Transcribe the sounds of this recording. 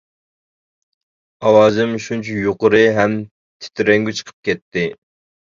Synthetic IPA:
ɑwɑːzɨmʃunt͡ʃʰujoqəɾɨɦɛm | t̪ʰe̥ɪ̥t̪ʰyɾɛŋɡʲyt͡ʃʰə̥qʰə̥p̚kʲɛt̪ːɪ

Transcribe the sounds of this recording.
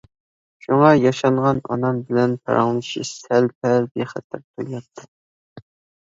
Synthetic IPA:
ʃuŋɑjɑʃɑɴʁɑnɑ̰nɑmbɪlɛnpʰɑ̰ɾɑ̰ŋlˠɨʃisælpʰɛlbeχæt̪ʰːɪɾt̪ʰulˠɑp̚t̪ʰɨ̥

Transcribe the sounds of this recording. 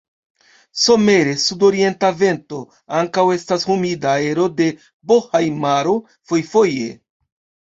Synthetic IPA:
so̞me̞ɾe̞sudo̞ɾie̞ntave̞nto̞ | aŋkawe̞stashumidae̞ɾo̞de̞ | bohajmaɾo | fo̞jfo̞je̞̰

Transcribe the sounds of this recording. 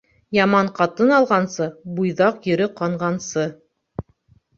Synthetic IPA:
jɑmɑɴqɑt̪ɤnɑlˠʁɑnsɤbujðɑqjɵ̆ɾɘqɑɴʁɑnsɤ

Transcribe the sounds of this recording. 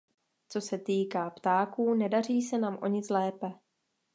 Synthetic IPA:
t͡so̞sɛt̪iːkaːpt̪aːkuːnɛdar̝iːsɛnaːmʔo̞ɲɪt͡slɛːpɛ

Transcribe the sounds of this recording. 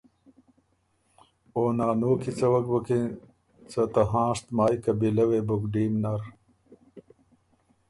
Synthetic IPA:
oːnaːnoːkit͡sɐwɐkbɐki | t͡sɐt̪ɐɦãːʂt̪maːjkɐbilɐwebuɡɖiːmnaɾ

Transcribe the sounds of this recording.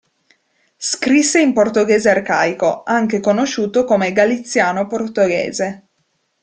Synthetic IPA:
skɾisːeimport̪oɡɛːzearkaːjkoaŋkekonoʃːuːt̪okomeɡalit̪sːjaːnoport̪oɡḛːze

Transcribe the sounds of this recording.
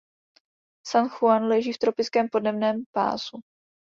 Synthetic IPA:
sanxuanlɛʒiːft̪ɾo̞pɪt͡skɛːmpo̞dnɛmnɛːmpa̰ːzu

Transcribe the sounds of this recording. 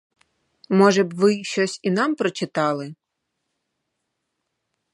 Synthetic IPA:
mɔʒɛbʋɪʃt͡ʃɔsʲinɑmpɾɔt͡ʃɪt̪ɑlˠɪ

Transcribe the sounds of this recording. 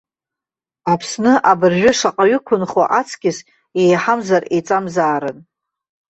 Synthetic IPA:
apʰsnɨʔabɨrʒʷᶣʊʂaqʼaɥʏkʷʰʊnχwa̰ʔat͡sʰkʲɪs | ejħamzaret͡sʼamzaːɾɨn

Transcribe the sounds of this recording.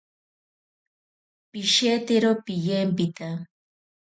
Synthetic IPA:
piʃet̪eɾopɪjempɪt̪a

